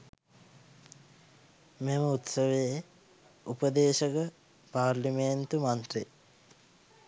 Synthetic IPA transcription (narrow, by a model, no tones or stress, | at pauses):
meməut̪səʋeje | upəd̪eːʃəkə | paːrliment̪umant̪re